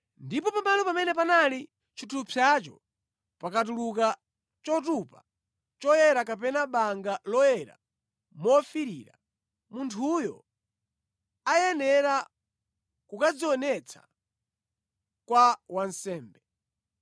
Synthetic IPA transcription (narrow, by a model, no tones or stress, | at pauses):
ndipɔpambanɔpamɛnɛp̬anali | t͡ʃʰitʰupʰat͡ʃɔ̰ | pakat̬uluk̬a | t͡ʃɔt̬upa | t͡ʃɔjɛɾakapɛnaɓaŋɡalɔjɛɾa̰ | mɔfiɾiɾa̰ | muntʰujɔ | ajɛnɛɾa | kukad͡ziɔnɛt͡sʰḁ̰ | kwawansɛːmbɛ